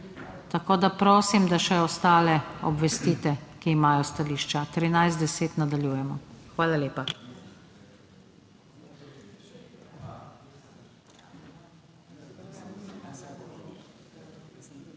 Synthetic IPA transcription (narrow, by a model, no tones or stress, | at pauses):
t̪akoːd̪apɾoːsimd̪aʃɛɔst̪aːlɛɔbʋɛst̪iːt̪ɛkiːmaːjɔst̪aliːʃt͡ʃat̪ɾinajzd̪d̪ɛseːt̪nad̪aljuːjɛmɔxʋaːlaleːpa